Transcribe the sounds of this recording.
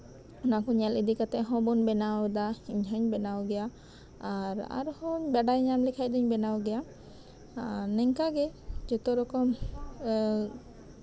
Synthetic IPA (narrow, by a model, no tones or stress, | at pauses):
unakɔɲɛlid̪ikat̪ɛɦɔ̃bɔnbɛnawd̪aiɲɦɔɲbɛnawɡɛja | aɾa̰ɾhɔɲbɛɖajɲamlikʰac̚d̪ɔɲbɛnawɡɛja | nɛŋkaɡɛd͡ʒɔt̪ɔɾɔkɔm